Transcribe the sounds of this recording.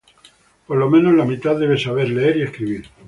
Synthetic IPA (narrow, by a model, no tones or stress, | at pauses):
po̞ɾlo̞mẽno̞zlamit̪aððe̞β̞e̞saβ̞e̞ɾle̞eɾieskɾiβiɾ